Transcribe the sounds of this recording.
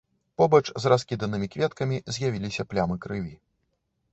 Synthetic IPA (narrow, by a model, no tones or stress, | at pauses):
pɔbɐt͡ʂzraskʲid̪ɐnɨmʲikvʲɛt̪kɐmʲizʲjavʲilʲisʲɐplʲamɨkɾɨvʲi